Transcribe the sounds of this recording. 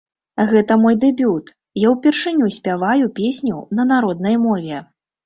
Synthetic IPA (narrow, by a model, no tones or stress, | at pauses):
ɣɛt̪ɐmɔjd̪ɛbʲut̪ | jawpʲɛrʂɨnʲusʲpʲavajupʲesʲnʲunɐnaɾɔd̪nɐjmɔvʲɛ